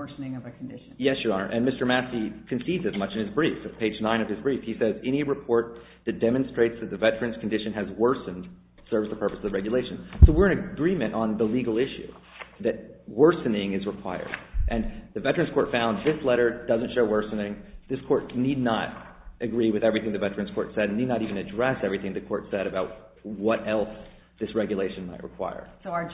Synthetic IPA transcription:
snɪ̃ŋʌvɨkn̩dɪʃjɛsjəɑɹʔɨ̰̃nmɪstə˞mæsikʰɨ̃n̩sidzɨzmʌt͡ʃɨ̃nɨzbɹifɨt̚pʰeɪd͡ʒnãɪ̃nʌv̥ɨzbɹifhisɛzɛ̃ñiɹɨpʰɔɹt̪̚ | ðɨt̚d̥ɛmɨ̃nstɹ̥eɪtsðɨt̪̚ðɨvɛt͡ʃɹɨ̃nz̥kʰn̩dɪʃɨ̃nɨzwɜ˞sɨ̃n̩d̥ | sɜ˞vzðəpʰɜ˞pəsʌvðəɹɛɡjɨleɪʃɨ̃n̩soʊwɪɹɨ̃nɨɡɹĩmɨ̃ñtʔn̩ðəliɡl̩ˠɪʃʉ̰ | ðɨt̚wɜ˞sɨnɪ̃ŋɨzɹəkʰw̥a̰ɪə̰˞dʔɨ̃nðɨvɛt͡ʃɹɨ̃nzkʰɔɹtfãʊ̃nðɪslɛɾə˞dʌzɨ̃ntʃoʊwɜ˞sɨnɪ̃ŋðɪskʰɔɹt̚nidⁿnə̰ɾʔɨɡɹiwɨðɛvɹiθɪ̃ŋðɨvɛt͡ʃɹɨ̃nz̥kʰɔ̰ɹtsɛɾn̩nidⁿnəɾivɨ̃nɨdɹɛsɛvɹiθɪ̃ŋðɨkʰɔɹtsɛɾɨbaʊt̚ | wʌɾɛlˠs | ðɪsɹɛɡjɨleɪʃɨ̃nmaɪʔ̚ɹʔə̰kʰw̥a̰ɪə̰˞s

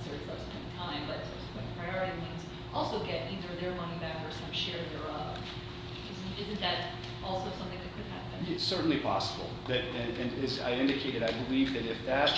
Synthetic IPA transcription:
sɛ˞ifʌb̥spʰɛ̃tʰãɪ̃mbʌtsʌb̥spʰwɛ̃ɪ̃pʰɹ̥aɪɑɹɨɾimĩnz | ʔɔlˠsoʊɡɛɾiðə˞ðə˞mʌñibækə˞sʌ̃mʃɛɹðə˞ʌp | ɪznɪzɨ̃nðɨɾ | ʔɔlˠsoʊsʌ̃mθɪ̃ŋðɨt̚kʰɨd̚hæpɨ̃nɪtsɜ˞ʔn̩lipʰɑ̰səbl̩ˠðɨɾɨ̃ɨ̃nɪza̰ɪɪ̃ndɨkʰeɪɾɨɾaɪbəlivðɨɾɨfðɨt̚

